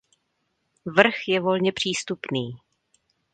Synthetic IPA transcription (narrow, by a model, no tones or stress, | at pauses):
vr̩xjɛvo̞lɲɛpr̝̥iːst̪upniː